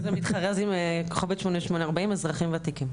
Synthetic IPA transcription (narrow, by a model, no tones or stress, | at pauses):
zemit̪χaʁazimkχoveʃmoneʃmoneaʁbaimezʁaχimveat̪ikim